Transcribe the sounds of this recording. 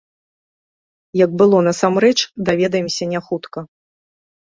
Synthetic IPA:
jɐɡ̚bɨlˠɔnɐsamɾɛt͡ʂd̪avʲɛd̪ɐjɛmsʲɐnʲaxut̪kɐ

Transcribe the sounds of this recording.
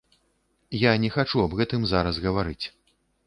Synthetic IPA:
janʲɛxat͡ʂuɐbɣɛt̪ɨmzaɾɐsɣɐvaɾɨt͡sʲ

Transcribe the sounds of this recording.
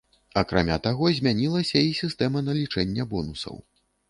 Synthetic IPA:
ɐkɾa̰mʲa̰t̪aɣɔzʲmʲanʲilˠɐsʲɐisʲist̪ɛmɐnɐlʲit͡ʂɛnʲːɛbɔnusɐ̰w

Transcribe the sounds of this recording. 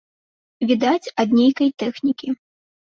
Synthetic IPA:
vʲid̪at͡sʲɐd̪nʲejkɐjt̪ɛxnʲikʲi

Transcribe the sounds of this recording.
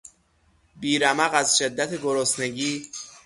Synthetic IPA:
biːɾæmæɣæzʃe̞d̪ːæt̪ʰeɡoɾosne̞ɟiː

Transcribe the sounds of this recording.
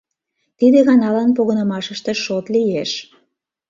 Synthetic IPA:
t̪id̪eɣɑnɑlɑnpoɣənə̆mɑʃəʃt̪eʃot̪lijeʃ

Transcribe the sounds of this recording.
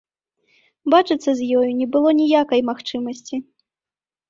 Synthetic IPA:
bat͡ʂɨt̪sːɐzʲjɔjunʲɛbɨlˠɔnʲijakɐjmaxt͡ʂɨmɐsʲt͡sʲi

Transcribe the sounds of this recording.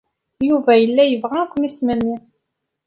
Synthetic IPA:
juvæjəlːæjəvʁækʷːmismænːi

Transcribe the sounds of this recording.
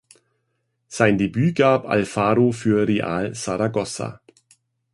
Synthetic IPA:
z̥aɪndebyːɡaːpa̰lfaːʁofyːɐʁeʔaːlsaʁaɡɔsa̰

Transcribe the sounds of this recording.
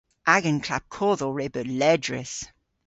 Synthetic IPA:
ʔaɡənkʰl̥ap̚kʰɔːðɔɹɛbəlɛdɹɪ̰θ

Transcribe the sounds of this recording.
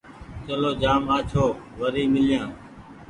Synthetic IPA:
t͡ʃəloːd͡ʒaːmaːt͡ʃʰoːʋəɾiːmɪlɪjãː

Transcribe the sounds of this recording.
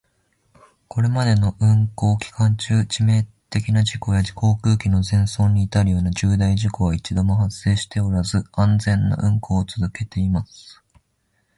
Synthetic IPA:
kʰo̞ɾe̞mad̪e̞no̞ʔɯ̟̃ŋko̞ːkʲi̥kãɲ̟t͡ɕɨːt͡ɕime̞ː | t̪e̞kʲinaʑiko̞jad͡ʑi̥ko̞ːkɯ̟ːkʲino̞zẽ̞ɰ̃so̞ːɲ̟ːiːt̪aɾɯ̟jo̞ːnaʑɨːd̪aiʑiko̞βait͡ɕid̪o̞mo̞hasːe̞ːɕi̥t̪e̞o̞ɾazɨãnd͡zẽ̞nːa̰ʔɯ̟̃ŋko̞ːt͡sɨzɨke̞t̪e̞imasɨ̥

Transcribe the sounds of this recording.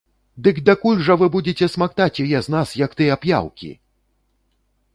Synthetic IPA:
d̪ɨkd̪ɐkulʲʐɐvɨbud͡zʲet͡sʲɛsmakt̪at͡sʲjɔjɛznasjɐkt̪ɨapja̰wkʲḭ

